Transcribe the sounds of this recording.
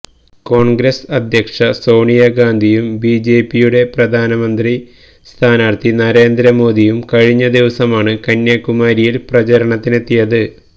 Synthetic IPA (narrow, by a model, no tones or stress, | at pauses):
ko̞ːɳɡɾɐsɐd̪ʱjɐkʂɐso̞ːɳijaɡaːnd̪ʱijumbid͡ʑe̞ːpːijuɽe̞prɐd̪ʱaːnɐmɐnd̪ri | st̪ʰaːnaːrt̪inɐɾe̞ːnd̪ɾɐmo̞ːd̪ijumkɐɻiɲːɐd̪iʋɐsɐmaːɳɨkɐnːjakːumaːɾijilprɐt͡ɕɐɾɐɳɐt̪ːinet̪ːijɐðɨ